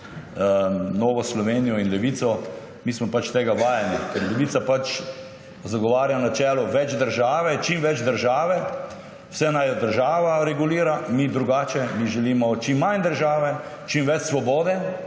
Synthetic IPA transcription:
noːʋɔslɔʋeːnijɔinlɛʋit̪sɔ | mismɔpat͡ʃt̪eːɡaʋaːjanikɛɾlɛʋiːt̪sapat͡ʃ | zaɡɔʋaːɾjanat͡ʃɛːlɔʋɛd͡ʒd̪əɾʒaːʋɛt͡ʃimʋɛd͡ʒd̪əɾʒaːʋɛ | wsɛnajɔd̪əɾʒaːʋaɾɛɡuliːɾamid̪ɾuɡaːt͡ʃɛmiʒɛliːmɔt͡ʃimːand̪əɾʒaːʋɛ | t͡ʃimʋɛt͡ʃsʋɔboːd̪ɛ

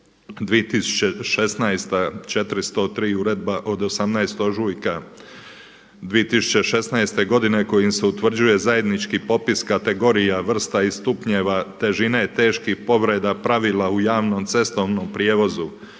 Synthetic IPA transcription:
d̪ʋijet̪isu̥t͡ɕeʃe̞snajst̪at͡ʃe̞t̪ɾist̪ot̪ɾiːuɾed̪̚baʔo̞d̪osamnajst̪o̞ʒujka | d̪ʋijet̪isu̥t͡ɕe̞ʃe̞snajst̪e̞ɡo̞d̪ine̞ko̞jimse̞ut̪ʋr̩d͡ʑuje̞zaje̞d̪nit͡ʃkipo̞piskat̪eɡo̞ɾijaʋr̩st̪aist̪upɲeʋat̪e̞ʒinajet̪e̞ːʃkihpo̞ʋɾe̞d̪apɾaʋiːlˠaujaːʋno̞mt̪se̞st̪o̞ʋno̞mpɾijeːʋo̞zu

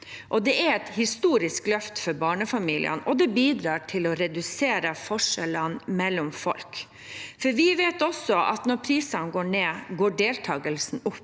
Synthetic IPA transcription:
ʔɔd̪ɛʔæɾɛt̪hɪst̪uːɾɪsklœft̪fɔɾbɑːɳəfɑmiːlʔɪ̰ə̰nɔd̪ɛbiːd̪ɾɑːʈʰɪlɔɾɛd̪ʉseːɾəfɔʂɛlənmɛlːɔmfɔ̰lk | fɔɾʋɪʋeːt̪ɔsɔʔɑ̰t̪nɔɾpʰɾiːsɑnɡoːɳeːɡoːɖeːlt̪ʰɑːɡəlsn̩ʊpː

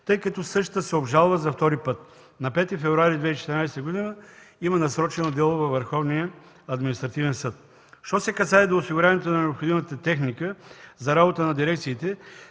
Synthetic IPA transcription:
t̪ɤjkɐt̪ɔsɤʃt̪əsɛobʒalˠvəzɐft̪ɔɾipɤt̪ | nɐpɛt̪ifɛvɾʊaɾid̪vɛit͡ʃɛ̥t̪əɾnajst̪əɡod̪inəimənɐsɾɔt͡ʃɛnod̪ɛlˠovɐvːɐɾxɔvnijə | ɐd̪minist̪ɾɐt̪ivɛnsɤt̪ | ʃt̪ɔsɛkɐs̬aɛd̪oːsiɡʊɾʲjavɐnɛt̪onɐnɛopxod̪imət̪ət̪ɛxnikəzɐɾabot̪ənɐd̪iɾɛkt̪siːt̪ɛ

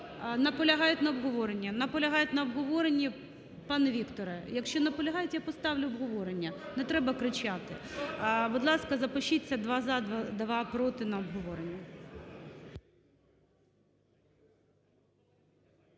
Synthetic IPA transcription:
nɐpɔlʲɐɦɑjʊt̪ʲnɐɔbɦɔʋɔɾenʲːɐnɐpɔlʲɐɦɑjʊt̪ʲnɐɔbɦɔʋɔɾenʲːi | pɑnɛʋʲikt̪ɔɾɛjɐkʃt͡ʃɔnɐpɔlʲɐɦɑjʊt̪ʲjapɔst̪ɑʋlʲʊɔbɦɔʋɔɾenʲːɐnɛt̪ɾɛbɐkɾɪt͡ʃat̪ɪ̰ | bʊd̪lˠɑskɐzɐpɔʃit͡sʲːɐd̪ʋɑzɑd̪ʋd̪ʋɑpɾɔt̪ɪnɐɔbɦɔʋɔɾenʲːɐ

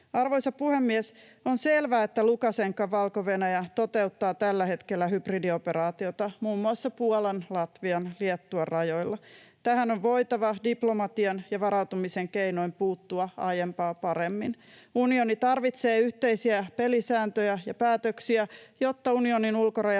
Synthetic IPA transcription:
ɑrʋojsɑpuhemːiɛs | onse̞lʋæːet̪ːælukɑseŋkːɑʋʋɑlkoʋe̞næjæt̪o̞t̪e̞ut̪ːɑːt̪ælːæhe̞t̪kelːæɦypridio̞peɾɑːt̪io̞t̪ɑmuːmːuɑsːɑpuolenlɑt̪ʋiɑnliet̪ːuɑrɑjo̞jlːɑt̪æhænoʋʋo̞it̪ɑʋɑdiplo̞mɑt̪iɑnjɑʋɑɾɑwt̪umiseŋkeino̞impuːt̪ːuɑɑjempɑːpɑɾemːin | unio̞nit̪ɑrʋit̪seːyht̪eisiæpelisæːnt̪øjæjɑpæːt̪øksiæjo̞t̪ːɑunio̞ninulkorɑj

